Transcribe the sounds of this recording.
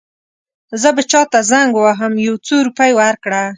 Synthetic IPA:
zəbat͡ʃɑt̪azaŋɡwaɦəmjawt͡soɾupajwaɾkɽa

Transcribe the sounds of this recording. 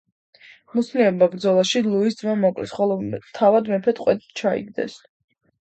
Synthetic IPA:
musniɔbabɾd̪zɔlˠaʃilˠuis̬d̪zwamɔkʼlɛ̰sχɔlˠɔt̪ʰavad̪mɛpʰɛt̪ʼqʼwɛt̪t͡ʃʰaḭɡd̪ɛ̰s

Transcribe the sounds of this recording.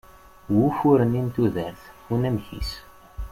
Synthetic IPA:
wufuɾənint̪uðəɾθunæmçḭs

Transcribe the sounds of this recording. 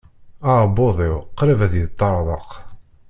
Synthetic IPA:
aboðˤiwqɾəvæðjət̪ˤːɑɾˤðˤəq

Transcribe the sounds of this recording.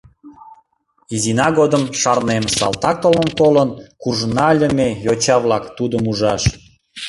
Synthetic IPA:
izinɑɡod̪əmʃɑrnemsɑ̰lˠt̪ɑk̚t̪olənt̪olənkurʒnɑlʲə̆mejot͡ɕɑβlɑkt̪ud̪əmuʒɑʃ

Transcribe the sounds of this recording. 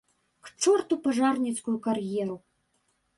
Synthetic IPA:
kt͡ʂɔrt̪upɐʐarnʲit̪skujukarjɛɾu

